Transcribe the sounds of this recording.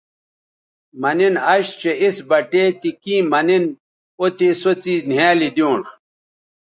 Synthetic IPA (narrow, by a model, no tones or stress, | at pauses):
mɐninɐɕt͡ɕeisbɐʈeːt̪ikĩːmɐnin | ot̪esot͡siːnjaːlid̪ijõːnx